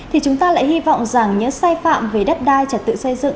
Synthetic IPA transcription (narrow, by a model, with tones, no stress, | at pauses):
t̪ʰi˨˩t͡ɕʊ˨˦ŋ͡mt̪aː˧la̰ː˧˨jhi˧vɔ̰˧˨wŋ͡mza˨˩ŋɲɨ̰˧˥ŋsaː˧jfa̰ː˧˨mve˨˩ɗə˦˥p̚ɗaː˧jt͡ɕəː˨˧˩t̚t̪ɨ̰˧˨sə˧jzɨ̰˧˨ŋ